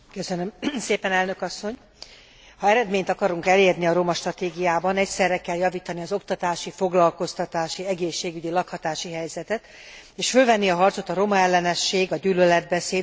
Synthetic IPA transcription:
kø̞sønømseːpɛnɛlnø̞kɒsːo̞ɲ | hɒɛɾɛd̪meːɲt̪ɒkɒɾuŋkɛleːrniɒɾo̞mɒʃt̪rɒt̪eːɡijaːbɒnɛcsɛrːɛkɛljɒviːt̪ɒniɒzo̞kt̪ɒt̪aːʃifo̞ɡlɒlko̞st̪ɒt̪aːʃiɛɡeːʃːeːɡyɟilɒkhɒt̪aːʃiɦɛjzɛt̪ɛt̪ | eːʃfølvɛnːiɒɦɒrt̪so̞t̪ɒɾo̞mɒɛlːɛnɛʃːeːɡɒɟyːlølɛd̪̚bɛseːd̪

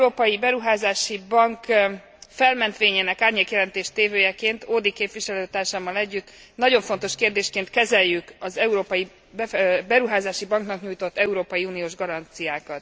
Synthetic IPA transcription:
uɾoːpɒjibɛɾuɦaːzaːʃibɒŋk | fɛlmɛnt̪ʋeːɲeːnɛkaːrɲeːkjɛlɛnt̪eːʃt̪eːvøːjɛkeːnt̪oːd̪ikeːpʋiʃɛløːt̪aːrʃaːmːɒlɛɟːyt̪ː | nɒɟo̞ɱfo̞nt̪o̞ʃkeːrd̪eːʃkeːnt̪kɛzɛjːykɒzɛuɾoːpɒji | bɛbɛɾuɦaːzaːʃibɒŋknɒkɲuːjt̪o̞t̪ːɛuɾoːpɒjiuːnijoːʒɡɒɾɒnt̪sijaːkɒt̪

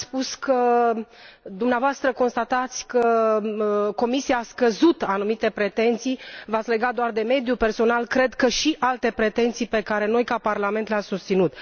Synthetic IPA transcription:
spuskə | d̪umneavoast̪ɾəko̞nst̪at̪at̪sʲkə | ko̞misiaːskəzut̪anumit̪e̞pɾe̞t̪e̞nt̪sijvat̪sle̞ɡat̪̚d̪oard̪e̞me̞d̪jupe̞rso̞nalkɾe̞d̪kəʃiʔalt̪e̞pɾe̞t̪e̞nt̪sijpe̞kaɾe̞no̞jkaparlame̞nt̪leamsust̪sinut̪

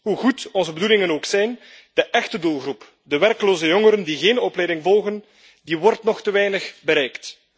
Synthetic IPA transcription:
ɦuɣutɔnzəbədulɪŋənoːksɛjn | d̥əʔɛxtədulˠɣrup | dəʋɛrkloːzəjɔŋəɾəndiɣeːnɔplɛjdɪŋvɔlˠɣən | diʋɔrtnɔxtəʋɛjnəxbəɾɛjkt

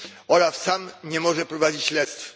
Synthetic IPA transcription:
ɔɾasːamɲɛmɔʐɛpɾɔvad͡ʑit͡ɕɕlɛst̪f

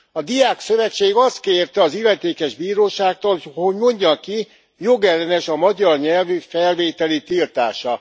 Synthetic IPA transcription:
ɒd̪ijaːksø̞vɛt͡ʃːeːɡɒst̪keːrt̪ɛɒzilːɛt̪eːkɛʒbiːɾoːʃaːk̚t̪olho̞ɟmo̞ɲɟɒki | jo̞ɡɛlːɛnɛʃɒmɒɟɒrɲɛlvyfɛlveːt̪ɛlit̪ilt̪aːʃɒ

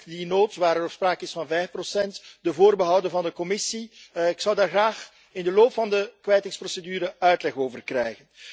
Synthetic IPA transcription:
dinoːtʋaːɾəɾɔfspraːkəɪsfɑnvɛjfprosɛntdəvoːrbəɦʌwdəvɑndəkɔmɪsiɪksʌwdaːrɣraːx | ɪndəloːpfɑndəkʋɛjtɪŋsprosedyːɾəœɥtlɛxoːvərkrɛjɣən

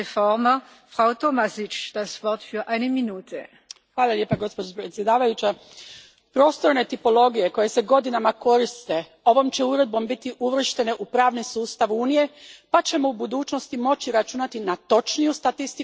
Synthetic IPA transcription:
efɔʁmə | fʁ̥aʊtomasɪt͡ʃd̥asvɔɐtfyːɐʔaɪnəminuːtʰə | xʋaːlˠalje̞ːpaɡo̞spo̞d͡ʒopɾet̪sje̞d̪aːʋajut͡ʃa | pɾo̞ːst̪o̞ɾne̞t̪ipo̞lo̞ɡije̞ko̞je̞se̞ɡo̞d̪inamako̞ɾist̪e̞ | o̞ʋo̞mt͡ʃe̞uɾe̞d̪̚bo̞mbit̪iʔuʋr̩ʃt̪e̞ne̞ʔupɾaːʋnisuːst̪aʋuːnije̞pat͡ɕe̞moubud̪uːt͡ʃno̞st̪imo̞t͡ʃiɾat͡ʃuːnat̪inat̪o̞t͡ʃnijust̪at̪ist̪i

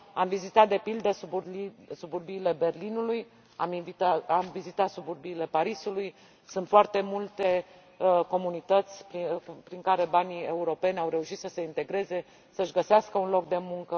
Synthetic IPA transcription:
amvizit̪at̪̚d̪e̞pild̪əsubusuburbiːle̞be̞rlinuluj | a̰minvit̪aamvizit̪at̪suburbiːle̞paɾisuluj | sunt̪foart̪e̞mult̪e̞ | ko̞munit̪ət̪sʲpɾipɾiŋkaɾe̞banie̞uɾo̞pe̞nʲawɾe̞uʃit̪səse̞int̪e̞ɡɾe̞ze̞ | səɨʃɡəseaskəunlo̞k̚d̪e̞muŋkə

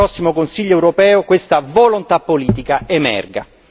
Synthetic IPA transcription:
ɔsːimokonsiʎːoɛwɾopɛːokwest̪avolont̪apːoliːt̪ikaʔemɛ̰rɡa̰

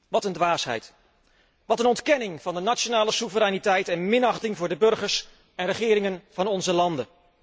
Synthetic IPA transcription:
ʋɑtəndʋaːsɦɛ̰jt | ʋɑtənɔntkɛnɪŋv̥ɑndənat͡ʃonaːləsuvəɾɛjnitɛjtɛnmɪnɑχtɪŋvʊːɹdəbɵɹχəɹs | ɛnrəχɪːɾɪŋənv̥ɑnɔnzəlɑndən

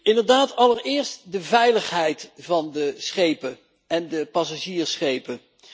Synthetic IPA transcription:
ɪndəɹdaːtɑləɹɪːɹstdəvɛjləχɦɛjtvɑndəsχejpə | ɛndəpɑsaʒiːɹsχejpə

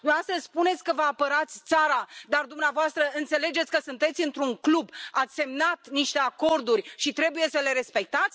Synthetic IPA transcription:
nuast̪əspune̞t̪sʲkəvəapəɾat̪sʲt̪saɾad̪ard̪umneavoast̪ɾəɨnt̪se̞le̞d͡ʒe̞t̪sʲkəsunt̪e̞t̪sʲɨnt̪ɾuŋklubat̪sʲse̞mnat̪niʃt̪e̞ako̞rd̪urʲʃit̪ɾe̞buje̞səle̞ɾe̞spe̞k̚t̪at̪sʲ

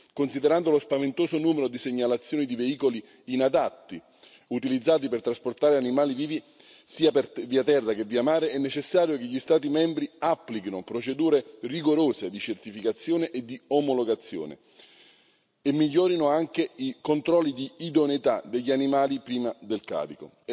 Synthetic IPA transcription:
konsid̪eɾand̪olospavent̪oːsonuːmeɾod̪iseɲːalat̪sːjoːnid̪iveiːkoliː | nad̪at̪ːi | ut̪ilid̪zːaːt̪̬ipert̪ɾasport̪aːɾeanimaːliviːvi | siːapviːat̪ɛrːakeviːamaːɾeɛnːet͡ʃesːaːɾjokeʎːist̪aːt̪imɛmbɾiapːlikinʊpɾot͡ʃed̪uːɾeriɡoɾoːsed̪it͡ʃert̪ifikat̪sːjoːneʔed̪iomoloɡat̪sːjo̰ːnḛ | emːiʎːɔːɾinʊaŋk̟eikont̪ɾɔlːid̪iːd̪onit̪ad̪eʎːanimaːlipɾiːmad̪elka̰ːɾiko̰

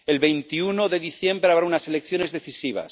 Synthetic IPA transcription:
e̞lβe̞jnt̪iunoðe̞ðiθje̞mbɾeaβɾaunase̞lekθjo̞ne̞zðe̞θisiβ̞a̰s

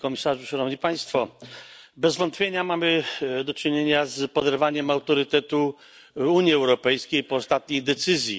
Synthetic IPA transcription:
kɔmʲisaʐuʂanɔvɲipaj̃st̪fɔ | bɛzvɔnt̪pʲjeɲamamɘd̪ɔt͡ʂɘɲeɲazpɔd̪ɛɾvaɲɛmawt̪ɔɾɨt̪ɛt̪u | uɲiɛwɾɔpɛjskʲejpɔːst̪at̪̚ɲejd̪ɛt̪sɘzʲji

